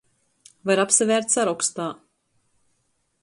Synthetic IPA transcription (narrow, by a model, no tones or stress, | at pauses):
vaɾapsavʲɛːɾt̪ʲsaɾɔkst̪aː